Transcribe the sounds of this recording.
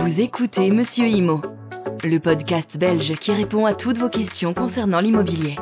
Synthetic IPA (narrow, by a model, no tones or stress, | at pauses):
vuzekut̪eməsjøimo | ləpɔd̪kʲast̪bɛlʒkʲiʁepɔ̃at̪ʰut̪vokʲɛst̪jɔ̃kɔ̃sɛʁnɑ̃limɔbilje